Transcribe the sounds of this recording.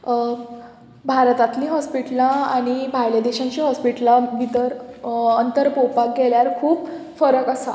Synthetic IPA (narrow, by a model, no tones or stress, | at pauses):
bʱaɾt̪at̪lĩɦɔspiʈlãaɽ̃ibʱajlad̪eɕãɲt͡ɕiɦɔspiʈlaʋit̪əɾənt̪əɾpowpakɡeljaɾkʰuːb | fəɾəkəsa̰